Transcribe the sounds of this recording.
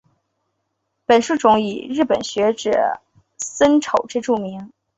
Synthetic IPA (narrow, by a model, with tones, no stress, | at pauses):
pə˨˩nʂu˥˩ʈ͡ʂʊ˧˥ŋi˨˩ɻɻ̩˥˩pə˨˩nɕɥɛ˧˥ʈ͡ʂɤ̰˨˩ | sə˥nʈ͡ʂʰo˨˩ʊʈ͡ʂɤ˥˧ʈ͡ʂu˥˩mi˧˥ŋ